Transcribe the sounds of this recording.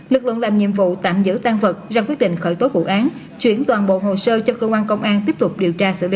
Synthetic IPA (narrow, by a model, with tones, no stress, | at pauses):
lɨ˨˩k̚lɨ̰˧˨əŋlaː˨˩mɲḭ˧˨əmvṵ˧˨t̪a̰ː˧˨mzɨ̰˧˥t̪aː˧ŋvə˨˩t̚zaː˧kwək̚ɗḭ˧˨ŋ̟xəː˧˩jt̪o˨˦vṵ˧˨ʔaː˨˦n | t͡ɕwi˧˩ənt̪waː˨˩nɓo̰˧˨ɦo˨˩səː˧t͡ɕɔ˧kəː˧kwaː˧nkə˧wŋ͡mʔaː˧nt̪i˦˥əp̚t̪ʊ˨˩k͡p̚ɗi˨˩əwt͡ɕaː˧sɨ̰˧˨lḭ˧˦